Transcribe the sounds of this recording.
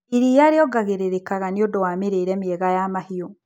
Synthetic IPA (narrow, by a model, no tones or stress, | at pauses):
iɾijaɾeɔɡaɣeɾeɾekaɣaniodowaːmeɾeːɾɛmiɛɣajamahio